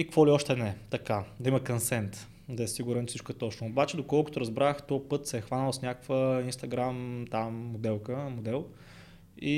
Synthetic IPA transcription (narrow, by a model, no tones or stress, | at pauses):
ikkvɔliɔʃt̪ɛnɛt̪ɐkad̪ɐiməkɐnsɛnt̪ | d̪ɐɛsiɡuɾɛnfsit͡ʃkɛt̪ɔt͡ʃnʊobat͡ʃɛd̪okɔlˠko̥t̪oɾɐzbɾaxt̪ɔpɤt̪sɛːxvanəlˠsnʲakəkvəinst̪ɐɡɾamt̪amːod̪ɛlˠkəmod̪ɛlˠ | i